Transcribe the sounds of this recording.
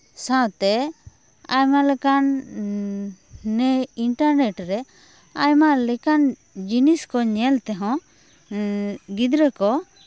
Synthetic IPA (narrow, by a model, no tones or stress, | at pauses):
sãwt̪ɛ | a̰jmalɛkan | ɛiɳʈaɾnɛʈɾɛ | ajmalɛkan | d͡ʒiniskɔɲɛlt̪ɛɦɔ̃ | ɡid̪ɾɛkɔ